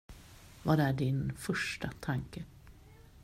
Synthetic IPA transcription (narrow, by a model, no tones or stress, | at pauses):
vaɖɛæɖɪnfœʂʈat̪ʰaŋkə